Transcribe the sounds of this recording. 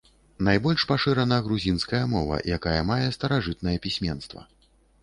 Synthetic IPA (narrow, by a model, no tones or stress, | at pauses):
najbɔlʲʂpaʂɨɾɐnɐɣɾuzʲinskɐjɐmɔvɐ̰jakajɐmajɛst̪ɐɾaʐɨt̪̚nɐjɛpʲisʲmʲɛnst̪vɐ̰